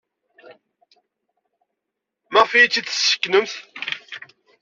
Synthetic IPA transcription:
məʁfijit͡sːiθə̥sːə̥kːnəmθ

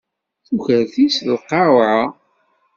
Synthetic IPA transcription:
θuçəɾθislqːɑwʕa

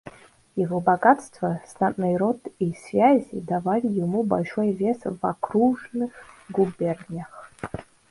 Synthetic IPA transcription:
jivobaɡatstʰvasnatʼnajɾo̞tʰisvʲazʲidavalʲijimuba̰lʲʂojvʲesva̰kʰruʐnɨɡubernʲaχ

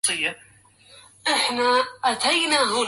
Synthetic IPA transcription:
ɨjːa | ʔɪħnaʔat̪ʰajnaɦʊː

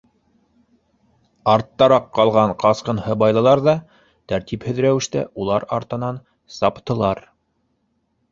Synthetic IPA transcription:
ɑɾt̪ːɑɾɑqːɑlˠʁɑɴqɑsqɤnhɤbɑjlˠɤ̆lˠɑɾðɑ | t̪æɾt̪iphɵ̆ðɾæwɘ̆ʃt̪æ̰ʔulˠɑɾɑ̰ɾt̪ɤ̆nɑn | sɑpt̪ɤ̆lˠɑɾ

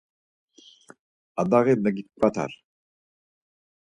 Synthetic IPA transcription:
ad̪aɣenaɡit̪̚kʷat̪ʰa̰ɾ

